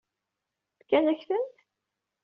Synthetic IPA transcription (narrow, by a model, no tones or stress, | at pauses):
θkːænæçθən